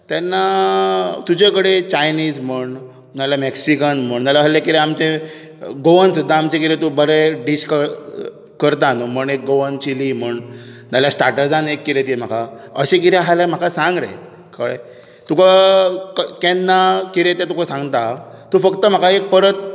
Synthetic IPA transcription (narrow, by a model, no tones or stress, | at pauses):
t̪ɛnːa | t̪ud͡ʑekəɽet͡ɕajnid͡zməɳ | naljameksikənm̤əɳnalaɦəlekiɾeamt͡ɕe | ɡoʋənsud̪ʱːaːmt͡ɕekiɾẽt̪ubəɾeɖiɕkə | kəɾt̪̬anuməɳek̚ɡoʋənt͡ɕilim̤əɳnaljasʈaɾʈəd͡zanekːiɾẽt̪im̤akʰaə̰ɕẽk̬it̪ɾɛ̃ɦalam̤akasãŋɡɾḛ | kʰəɽḛ | t̪ukakkɛnːakiɾet̪ẽt̪ukʰasãŋɡt̪at̪ufəkt̪əm̤akaek̚pəɾət̪̚